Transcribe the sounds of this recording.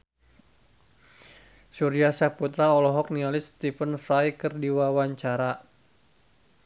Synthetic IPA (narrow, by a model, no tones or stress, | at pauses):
suɾiasaput̪ɾaɔlɔɦɔk̚nialɪst̪ifənfɾajkərdiwawaɲt͡ʃaɾa